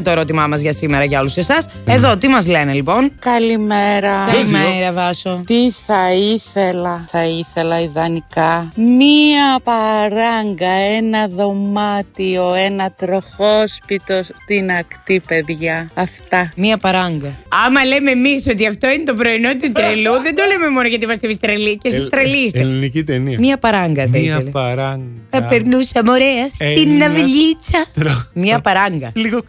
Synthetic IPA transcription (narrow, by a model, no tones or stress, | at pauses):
t̪o̞e̞ɾo̞t̪imɐmɐzʝɐsime̞ɾɐʝɐo̞luse̞sɐse̞ðo̞t̪imɐzle̞ne̞lipo̞nkɐlimeɾɐkɐlimeɾɐvɐsot̪iθɐiθe̞lɐθɐiθe̞lɐiðɐnikɐmiɐpɐɾɐŋɡɐe̞nɐðo̞mɐt̪io̞e̞nɐt̪ɾo̞xospit̪o̞st̪inɐkt̪ipe̞ðʝɐɐft̪ɐmiɐpɐɾɐŋɡɐɐmɐle̞memiso̞t̪iɐft̪o̞inet̪o̞p̬ɾo̞ino̞t̪ut̪ɾeluðend̪o̞leme̞mo̞noʝɐt̪imɐs̬t̪ivist̪ɾɐlicesist̪ɾɐlist̪elinicit̪eniɐmɲɐpɐɾɐŋɡɐðeleɾɐŋɡθɐpeɾnusɐmo̞ɾeɐssinːɐvʎit͡sɐɾmɲɐpɐɾɐŋɡɐliɣo